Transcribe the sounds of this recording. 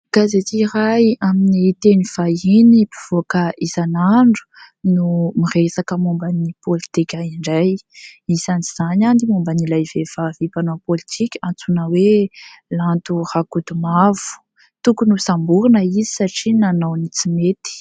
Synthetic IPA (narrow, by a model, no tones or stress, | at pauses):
ɡ̥azet͡s̪iiɾajaminit̪eniv̥ainipi̥v̥okəʔizanaɳɖ͡ʐu̥ | numiresakəmumbanipolit̪ikʲaiɳɖ͡ʐajizaniz̥anand̪imumbanilajvevavipanopolit̪ʰikʲant͡sunəwelant̪urakud̪umav̥u̥ | t̪ukunusambuɾunəizi̥saʈ͡ʂinanawnit͡simet̪i̥